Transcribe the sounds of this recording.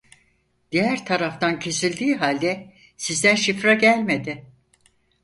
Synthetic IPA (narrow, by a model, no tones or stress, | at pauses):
d̪̥ijæɾt̪ʰaɾaft̪ʰancʰe̞silʲd̪iːɦalʲd̪ɛ | sizd̪ænʃifɾaɟælʲme̞d̪ɪ